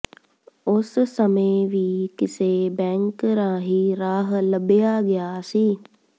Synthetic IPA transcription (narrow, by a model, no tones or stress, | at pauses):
ʊssəmeʋiːkɪsebɛ̃ːŋkɾãːɦiːɾaːɦləbɪjaɡɪjaːsiː